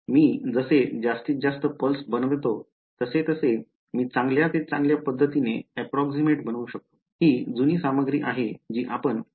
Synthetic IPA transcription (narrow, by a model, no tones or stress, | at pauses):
miːd͡zəsed͡ʑast̪iːt̪̚d͡zast̪əpəlsbənʋet̪o | t̪əset̪əse | miːt͡sãŋɡljat̪et͡sãŋɡljapəd̪ʱːət̪ineɛpɾɔksimeʈbənʋuɕək̚t̪o̥ | ɦiːd͡zuniːsaməɡɾiːʔaɦed͡ʑiːʔapən